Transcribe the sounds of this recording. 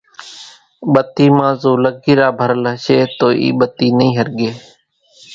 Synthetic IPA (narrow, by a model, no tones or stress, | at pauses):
ɓət̪iːmãːzoːləkːiːɾaːbʱəɾələʃeːt̪oːʔḭːɓət̪iːnəĩːɦəɾɡeː